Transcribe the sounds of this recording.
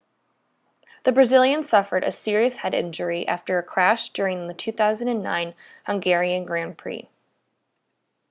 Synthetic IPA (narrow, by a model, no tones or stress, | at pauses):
ðɨbɹɨzɪlˠjɨ̃nsʌfə˞ɾɨ̰sɪɹiɨshɛɾɪ̰̃nd͡ʒə˞iʔæ̰ftə˞ɨkʰɹ̥æʃd̥ʊɹɪ̃ŋðɨtʰʉθaʊzɨ̃n̩dɨ̃nːã̰ɪ̃nhʌ̃ŋɡɛɹiɨ̃nɡɹæ̃npʰɹ̥ḭ